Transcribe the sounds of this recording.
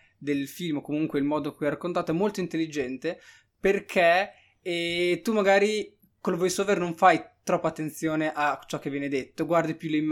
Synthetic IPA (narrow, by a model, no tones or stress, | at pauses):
d̪elfilmokomuŋkweilmɔːd̪okujajɾakːont̪aːt̪oɛmolt̪oint̪elːid͡ʒɛnt̪e | perkʰɛ | t̪umaɡaːɾi | kolvɔjsoːvernoɱfajt̪ɾɔpːat̪ːent̪sjoːneʔat͡ʃɔk̟ːevːjɛːned̪et̪ːoɡward̪ipjulemː